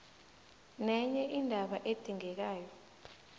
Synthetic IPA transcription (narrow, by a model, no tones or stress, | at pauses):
nɛɲɛʔindʱaɓaʔed̥ʱiŋɛk̬aːjɔ